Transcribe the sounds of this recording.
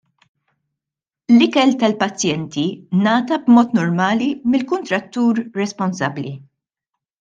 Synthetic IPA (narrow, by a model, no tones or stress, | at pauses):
lɪkɛlt̪ɐlpɐt͡sːjɛnt̪inɐːt̪ɐbmɔːt̪nɔɾmɐːlimɪlkʊnt̪ɾɐt̪ːuːɾːɛspɔnsɐblḭ